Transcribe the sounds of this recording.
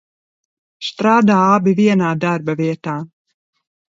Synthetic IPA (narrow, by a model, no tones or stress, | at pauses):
st̪ɾaːd̪aːabiviɛnaːd̪aɾbɐviɛt̪aː